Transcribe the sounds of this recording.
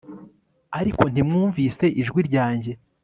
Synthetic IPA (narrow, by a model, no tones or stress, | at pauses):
aɾiko̞n̥imŋuːɱvise̞ʔiʒɡwiɾɟaːɲɟe̞